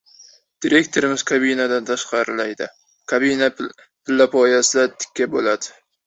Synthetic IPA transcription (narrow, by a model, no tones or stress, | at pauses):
d̪̥iɾe̞kt̪ʰoɾɪmɪz̥kʰabinad̪ant̪ʰaʃqɑɾɪlajd̪ɪ | kʰabina | pʰɪlːapʰɒjasɪlat̪ʰɪ̥kʲʰːabolad̪ɪ̥